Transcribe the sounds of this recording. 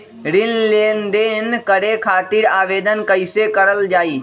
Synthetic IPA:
ɾɪnleːnd̪enkəɾekʰaːt̪iɾaːʋeːd̪ənkəɪsekəɾəld͡ʒaːiː

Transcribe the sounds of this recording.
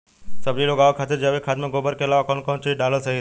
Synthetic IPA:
səbɾiloɡaʋokʰat̪ed͡ʒaʋekʰad̪mãɡobəɾkelaʋakɔnkɔnt͡ʃiɖaləsəɦi

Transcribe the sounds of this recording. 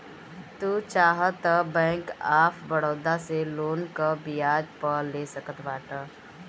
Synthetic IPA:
t̪ut͡ʃaːɦət̪ːəbɛ̃ːŋkaːpʰbəɽəːd̪aseloːnkəbijaːd͡ʒpəɾlesəkət̪baːʈə

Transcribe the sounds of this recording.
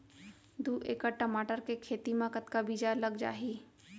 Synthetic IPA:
d̪uːʔeːkəʈəmaːʈəɾkekʰeːt̪imãkət̪kabid͡ʒaləɡd͡ʒa̰ːɦiː

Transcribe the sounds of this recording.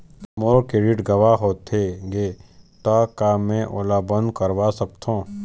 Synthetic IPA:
moːɾkeɖɪʈɡɐʋaɦoːt̪ʰeɡet̪akamɛ̃ʔoːlabə̃nd̪̚kəɾʋasɐk̚t̪ʰõː

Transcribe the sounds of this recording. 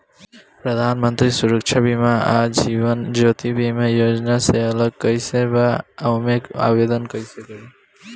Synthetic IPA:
pɾəd̪ʱanmənt̪ɾisuɾək̚t͡ʃʰabimaad͡ʒiβənd͡ʒot̪ibʱimejod͡ʒnaseələɡ̚kəjsebaaʊmeka̰bed̪ənkəsekəl

